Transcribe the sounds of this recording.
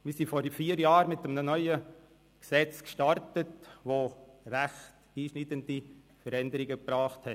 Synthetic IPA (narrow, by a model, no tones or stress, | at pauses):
mɪːsifɔɾfiːəɾjɑːɾmɪtəmənənœʏə | ksɛt͡skʃtɑɾtətʋoːræχt | iːʃnitəndi | fəɾɛndəɾɪɡəpɾɑːχthɛ